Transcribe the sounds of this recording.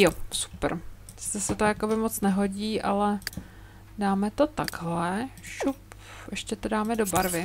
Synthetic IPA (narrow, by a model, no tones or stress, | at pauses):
josu̥pɾ | ɪ̥st̪ɛsɛt̪ojako̞bɪmot͡snɛɦo̞ɟiːʔalɛ | daːmɛt̪o̞t̪aɡɦlɛʃup | ʔɛʃcɛt̪odaːmɛdobaɾvɪ